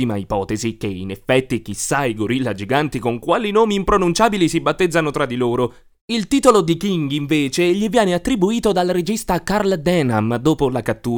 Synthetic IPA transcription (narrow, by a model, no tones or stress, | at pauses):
ima̰ipɔːt̪ezikeḭnefːɛt̪ːik̟isːaiɡoɾilːad͡ʒiɡant̪ikoŋkwaːlinoːmiːmpɾonunt͡ʃaːbilisibat̪ːed̪zːanot̪ɾad̪ːiloːɾo | ilt̪iːt̪olod̪ikiŋɡiɱveːt͡ʃeʎivjɛːneat̪ːɾibuiːt̪od̪alɾed͡ʒist̪akarld̪ɛnamd̪oːpolakat̪ːuː